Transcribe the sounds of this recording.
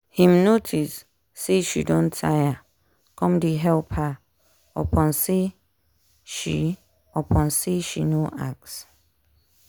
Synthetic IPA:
hĩmnotʰisː | eʃḭdɔ̃ntʰaja | kʰɔ̃mdeɦɛlpha | ɔ̰pʰɔ̃nse | ʃḭ | ɔpʰɔ̃nseʃinoʔak̚s

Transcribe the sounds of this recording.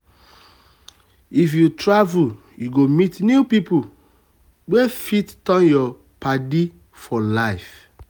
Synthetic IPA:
ifjutɹavul | juɡomitnjupipu | ɡ͡befittɔ̃njɔ | padi | fɔlaɪf

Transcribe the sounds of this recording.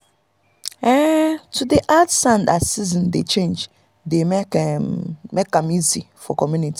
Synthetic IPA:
ɛtʰudeʔatsãndasizɔ̃ndet͡ʃʰẽnd͡ʒ | de | mɛkːãmizi | fɔ̰kʰɔmjũnitʰi̥

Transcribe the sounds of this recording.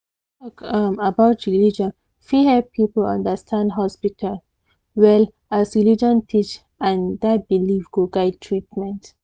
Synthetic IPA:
tɔkʌmabaʊtɹilid͡ʒɔ̃n | fihɛpʰipəlã̰ndəstʰãndɦɔspitʰal | wɛl | asɹilid͡ʒɔ̃ntʰit͡ʃ | ãndabilivɡoɡaɪd̚tʰɹitmɛ̃nt

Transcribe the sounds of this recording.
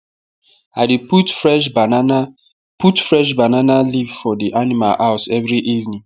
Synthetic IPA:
adeputfɹɛʃbann | putfɹɛʃ̬bananalivfɔdiʔanima̰laʊsɛvɹiʔivnĩŋ

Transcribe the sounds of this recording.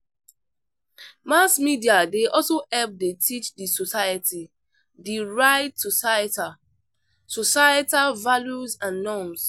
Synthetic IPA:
masmidiadeʔɔlsoɛlp̚detʰit͡ʃdisɔsajəti | diɹaɪtsɔsajta | sɔsajatavaljuzãnːɔms

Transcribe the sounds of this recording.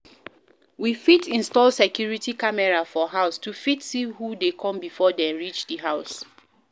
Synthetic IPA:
wifitʰĩnstɔlsɛkjuɹitikamɛɹafɔɦaʊstufitsihudekʰɔ̃mbifɔdɛ̃mɹit͡ʃdiɦaʊs

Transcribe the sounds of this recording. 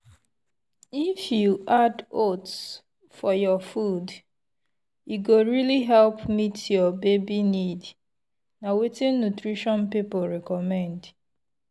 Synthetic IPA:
ifjuʔadots | fɔjɔfud | juɡoɹiliɦɛlpmitʰjɔbebinid | nawetĩnːutɹiʃɔ̃npipoɹɛkɔmɛ̃nd

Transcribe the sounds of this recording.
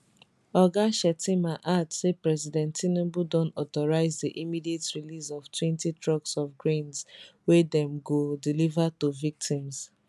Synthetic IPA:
ɔɡaʃɛtĩmaʔatsepɹɛsidɛ̃ntinẽbudɔ̃nɔtɔɹaɪzdiʔimidietɹilisɔftwɛ̃ntitɹɔksɔfɡɹẽnswedɛ̃mɡodilivatovik̚tʰĩms

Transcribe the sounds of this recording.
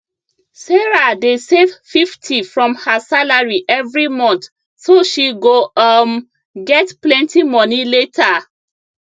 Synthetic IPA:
sɛɹadesevfiftʰifɹɔ̃mhasalaɹiʔɛvɹimɔ̃nt̪ | soʃiɡom | ɡɛtplɛ̃ntimɔniletʰa

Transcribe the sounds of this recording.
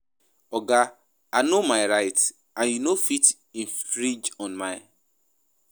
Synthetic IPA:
ɔɡa | anomaɪɾaɪt | ãnjunofit | ĩn̩fɾid͡ʒɔ̃nmaɪ

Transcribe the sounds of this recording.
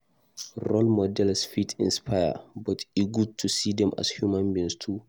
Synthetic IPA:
ɾɔlmɔdɛlsfitʰḭ̃nspʰaja̰bɔtiɡud̚tʰusidɛmʔa̰shjumãnbĩnstʰu

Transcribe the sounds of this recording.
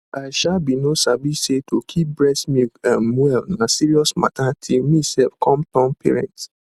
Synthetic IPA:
aɪʃalbinosavisetʰokʰip̚bɹɛsmiãmwɛlnasiɹiɔsma̰tʰatʰilmisɛfkʰɔ̃mtɔ̃mpʰɛ̰ɹɛ̰̃nt

